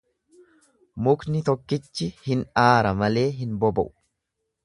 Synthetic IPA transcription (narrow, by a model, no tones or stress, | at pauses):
mʊknɪt̪ɔkːɪt͡ʃːɪhɪnaːɾɐmɐle̞ːɦɪnbɔbɐ̰ʔʊ̥